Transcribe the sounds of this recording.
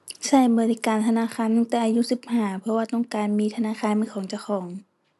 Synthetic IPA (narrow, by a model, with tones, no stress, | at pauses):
sa˧˩jbɯː˨˩li˧˨kaː˨nt̪ʰa˧naː˧˥˨xʰaː˧˥˨nmɯ˧˨t̪ɛː˧˩ʔaː˧ju˧˥˨si˧˦p̚haː˧˩pʰɔ˧waː˧t̪ɔ˧˩ŋkaː˨nmiː˧˨t̪ʰa˧naː˧˨xʰaː˧˥˨nmɯː˧˥˨kʰɔː˨˦ŋt͡ɕa˧˩wxʰɔː˩˦ŋ